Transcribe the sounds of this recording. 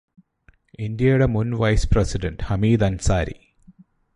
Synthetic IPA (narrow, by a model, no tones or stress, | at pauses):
ind̪jɐjuɽemunʋɐjspresiɖɐnɖhɐmiːd̪ɐnsaːɾḭ